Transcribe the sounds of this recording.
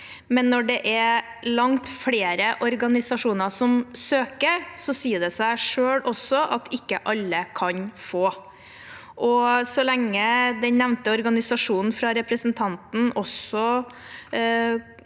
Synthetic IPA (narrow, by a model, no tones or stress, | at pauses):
mɛnːɔɖɛʔɛɾ | lɑŋt̪fɽeːɾəʔɔɾɡɑnɪsɑʂuːnəsɔmsøːkəɾsɔsiːəd̪ɛsæɪʂøːɽɔsːɔʔɑt̪ʰɪkːəʔɑlːəkʰɑnfoː | ʔɔsɔlɛŋːəd̪ɛnnɛʋnt̪əɔɾɡɑnɪsɑʂuːnn̩fɾɑɾɛpɾəsənt̪ʰɑnt̪n̩ɔsɔ